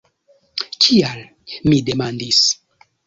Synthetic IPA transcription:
t͡ʃial | mide̞mandis

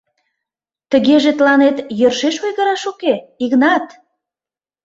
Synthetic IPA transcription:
t̪əɣeʒet̪lɑnet̪jørʃeʃojɣəɾɑʃokeiɣnɑt̪

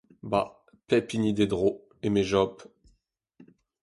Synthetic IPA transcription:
ba | pɛpinid̪ed̪ʁo | emeʒɔp

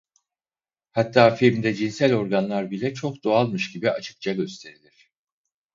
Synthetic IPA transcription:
hat̪ʰːaːfiɾmd̪ɛd͡ʒinsælʲo̞ɾɡanlˠaɾbilʲɛt͡ʃʰo̞kd̪oalˠmɯʃɟibia̰t͡ʃʰɯ̥k̚t͡ʃʰaɟø̞st̪ʰe̞ɾilʲiɾ̥

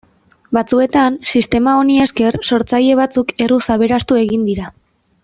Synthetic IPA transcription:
bat͡sue̞t̪ansist̪e̞mao̞nie̞ske̞rso̞ɾt͡saje̞β̞at͡suke̞rusaβe̞ɾast̪ue̞ɣind̪iɾa

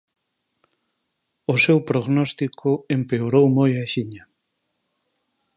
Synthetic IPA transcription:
ʊsewpɾoɣnɔst̪ikʰʊempeoɾowmojaʃiɲa

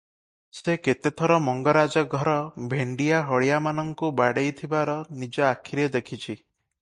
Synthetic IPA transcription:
seket̪et̪ʰɔɾɔmɔŋɡɔɾad͡ʒɔɡʱɔɾɔbʱeɳɖijaɦɔɽijamanɔŋkubaɽejt̪ʰibaɾɔnid͡ʒɔakʰiɾed̪ekʰit͡ʃʰi

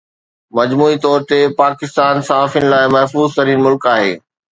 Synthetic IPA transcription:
mɐd͡ʑmuːit̪ɔːɾt̪epaːkɪst̪aːnsaːafɪnɪlaːɪmɐɦfuːzt̪ɐɾiːnmʊlkaːɦḛː

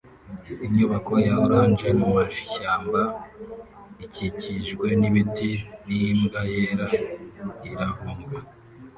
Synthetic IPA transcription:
iɲɲuβako̞jaoɾaːnd͡ʒe̞mumaʃʃaːmba | iciciʒɡwe̞niβitinimɡajeɾa | iɾahoŋɡa

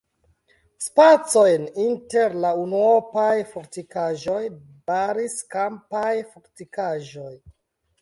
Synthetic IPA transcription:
spat͡so̞jninteɾlaunuopajfoɾtikaʒo̞j | baɾiskampajfoɾtikaʒo̞j

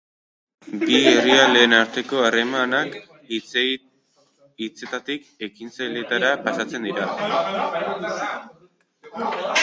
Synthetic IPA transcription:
bieriale̞ːnaɾt̪e̞ko̞are̞manak | it͡se̞t̪at̪ik | e̞kinsajlet̪aɾapasat͡se̞nd̪iɾa

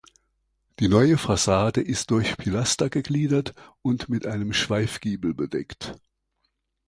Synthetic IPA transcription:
d̥iːnɔʏəfasaːdəʔɪst̚d̥ʊɐçpʰilastɐɡəɡliːdɐtʊntmɪtʔaɪnəmʃv̥aɪfɡ̥iːbl̩bədɛ̰kt

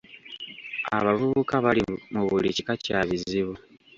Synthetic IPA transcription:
a̰βavuβukaβalimuβulicikacaβiziβu

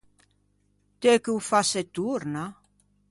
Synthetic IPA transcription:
t̪ekewfaset̪uɾna

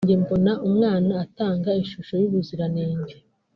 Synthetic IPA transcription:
ɲɟe̞mbo̞naʔumŋaːnaːtaːŋɡaiʃuʃo̞juβuziɾaneːɲɟe

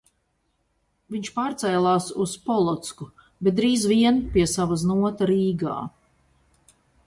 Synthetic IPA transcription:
viɲʲt͡ʃpaːɾt̪sɛjlˠaːsuspɔlˠɔt̪sku | bɛt̪̚d̪ɾiːzviɛnpiɛsavaznuɔt̪aɾiːɡa̰ː

